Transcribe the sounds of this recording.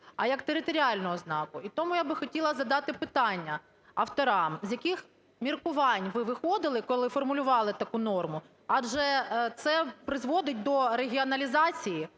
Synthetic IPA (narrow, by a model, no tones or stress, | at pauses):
ɐjɐkt̪eɾɪt̪ɔɾʲiɑlʲnɔɦɔznɑkʊit̪ɔmʊjabɪxɔtʲilˠɐzɐd̪ɑt̪ɪpɪt̪ɑnʲːɐ | ɐft̪ɔɾɑmzʲjɐkɪx | mʲirkʊʋɑnʲʋɪʋɪxɔd̪ɪlˠɪkɔlˠɪfɔrmʊlʲʊʋɑlˠɪt̪ɐkunɔrmʊ | ɑd͡ʒɛt̪sɛpɾɪzʋɔd̪ɪt̚ʲd̪ɔɾeɦʲiɔnɐlʲizɑt͡sʲiji